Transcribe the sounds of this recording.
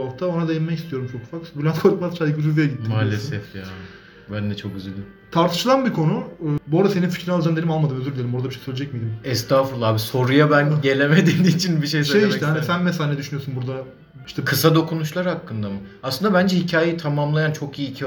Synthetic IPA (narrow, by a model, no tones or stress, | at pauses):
aft̪ʰaonad̪ejinmacʰist̪ʰijo̞ɾumt͡ʃʰo̞kufakbilʲankʰoɾut̪mat̪t͡ʃʰad̪kbizyzejɟit̪ːimaːlʲesɛfja | bænd̪ɛt͡ʃʰo̞k̚ɟyzylʲd̪im | t̪ʰaɾt̪ʰɯ̥ʃɯlˠanbikʰo̞nubo̞ɾd̪ase̞ninfi̥cɾinalˠd͡ʒamd̪e̞nʲimalˠmad̪ɯmøzyɾd̪ʲelʲimboɾd̪abiʃejsølʲed͡ʒɛcmed̪imɛst̪aːfɯɾlˠaːbiso̞ɾujabænɟe̞lʲemed̪ed̪iːit͡ʃʰinbiʃejsʃejiʃt̪ɛanisænmesalʲanɛd̪yʃynyjo̞snbuɾd̪a | iʃt̪ɛkʰɯsad̪o̞kʰunuʃlˠaɾhakːɯnd̪amɯaslɯnd̪abænd͡ʒɛhicʰaːjit̪ʰamamlˠajant͡ʃʰo̞kijiːcʰi